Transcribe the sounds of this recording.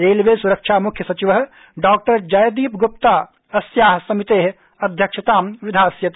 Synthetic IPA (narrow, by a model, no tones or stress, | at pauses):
ɾeːlʋeːsuɾəkʃamʊkʰjəsɐt͡ʃiʋɦ | ɖaːk̚ʈəɾd͡ʒɐjd̪iːpɡʊpt̪aː | ɐsjaːɦsɐmɪt̪eːɦ | ɐd̪ʱjɐkʃʰɪt̪aːmʋɪd̪ʱaːsjɐt̪